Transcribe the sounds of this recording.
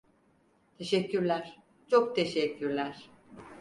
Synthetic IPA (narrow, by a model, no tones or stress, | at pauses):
t̪ʰe̞ʃɛcːyɾlʲæɾ̥ | t͡ʃʰok̚t̪ʰeʃɛcʰːyɾlʲæɾ̥